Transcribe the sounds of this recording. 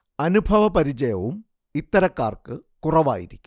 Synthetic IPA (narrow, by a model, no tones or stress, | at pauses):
ɐnubʱɐʋɐpɐɾit͡ɕɐjɐʋum | it̪ːɐɾɐkːaːrkɨkurɐʋa̰ːjḭɾikʲːu